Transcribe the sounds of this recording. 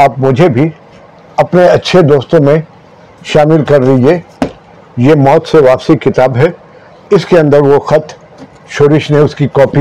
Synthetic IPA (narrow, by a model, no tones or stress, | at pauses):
aːpmʊd͡ʒʱebʱi | ɐpneɐtːʃʰed̪oːst̪õmẽ | ʃaːmɪlkɐɾlie | jemɔːt̪seʋaːpsikɪt̪aːbɦɛ | ɪskeɐ̃nd̪əɾʋoxɐt̪ | ʃoːɾɪʃneʊskikɔːpi